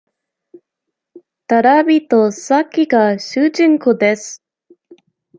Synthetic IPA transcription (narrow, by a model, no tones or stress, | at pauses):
t̪aɾabʲit̪osakʲiɡaɕɨːd͡ʑĩŋkod̪es